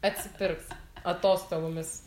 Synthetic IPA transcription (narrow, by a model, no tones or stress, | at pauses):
ɐt̪ʲsʲɪpʲɪɾksɐt̪oːst̪oːboːmʲɪs